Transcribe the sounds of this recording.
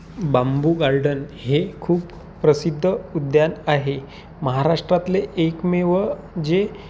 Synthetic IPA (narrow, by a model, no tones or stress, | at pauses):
bambuɡaɾɖənɦekʰuːp | pɾəsid̪ʱːəud̪janaɦe | məɦaɾaʂʈɾat̪leːkmeʋə | d͡ʑe